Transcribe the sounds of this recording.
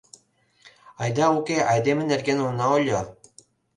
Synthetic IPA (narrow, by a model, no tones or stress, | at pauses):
ɑjd̪ɑukʲeʔɑjd̪emɘ̆nĕrɡenunɑolʲo